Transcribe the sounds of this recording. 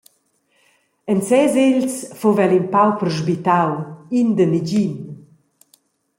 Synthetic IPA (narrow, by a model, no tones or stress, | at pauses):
ənt͡sɛzelsfuvɛlinpawpəɾʒbit̪awind̪ənid͡ʑin